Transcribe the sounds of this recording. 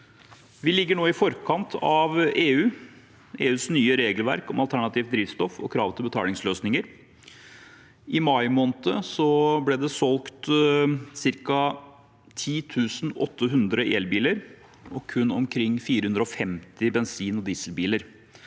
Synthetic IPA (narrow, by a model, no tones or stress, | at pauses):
ʋɪlɪɡːəɳoːɪfɔɾkʰɑnt̪ʰɑʋeːʉː | eːʉːsnyːəɾeːɡəlʋæ̰ɾkɔmɑlˠt̪ʰæɳɑt̪ʰiːʋd̪ɾiːʋst̪ɔfɔ̰kʰɾɑːʋt̪ɪlbət̪ʰɑ̰ːlɪŋsløːsnɪŋəɾ | ʔɪmɑɪmoːnət̪əsɔblɛːd̪ɛsɔlkt̪ | sɪɾkɑ | t̪ʰiːt̪ʰʉːsnɔt̪ʰːəɦʉnd̪ɾəʔeːlbiːləɾ | ɔkʰʉnːɔmkʰɾɪŋːfiːɾəhʉnd̪ɾəɔfɛmt̪ɪbɛnsiːnɔd̪iːsəlbiːləɾ